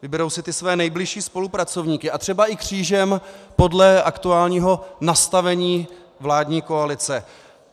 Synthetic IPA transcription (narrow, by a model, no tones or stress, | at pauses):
vɪbɛɾo̞wsɪt̪ɪsvɛːnɛjblɪʃiːspo̞lupɾat͡so̞vɲiːkɪʔat̪r̥ɛbaʔɪkr̝̥iːʒɛmpo̞dlɛʔakt̪uaːlɲiːɦo̞nast̪avɛɲiː | vlaːdɲiːko̞alɪt͡sɛ